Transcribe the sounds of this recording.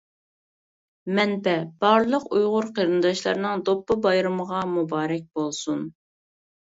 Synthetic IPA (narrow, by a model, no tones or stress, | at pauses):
mɛnpɛb̥ɑɾlˠəqujʁʊɾqʰəɾɨnd̪ɑʃlˠɑ̰ɾnɨŋd̪opːɑbɑjɾɨməʁɑmubɑːɾɛk̚ʲb̥olˠsun